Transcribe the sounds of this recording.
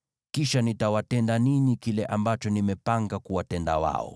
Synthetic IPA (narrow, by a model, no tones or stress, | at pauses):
kiʃanitawatɛndaninikilɛʔambat͡ʃɔnimɛpaŋɡakuwatɛnda̰wa̰ɔ̰